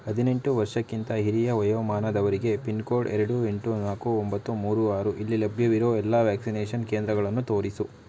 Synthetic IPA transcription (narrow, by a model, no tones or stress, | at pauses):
ɦɐd̪ine̞ɳʈuʋɐɾʂɐkːint̪ɐɦiɾijɐʋɐjɐʋmaːnɐd̪ɐʋɐɾiɡe̞pinko̞ːɭɖɛ̰ɾɐɽue̞ɳʈunaːkuombɐt̪ːumuːɾuaːɾuʔilːilɐbʱjɐʋiɾo̞ːɛlːaːʋaːksineːʂɐnke̞ːnd̪ɾɐɡɐɭɐnːut̪o̞ːɾisu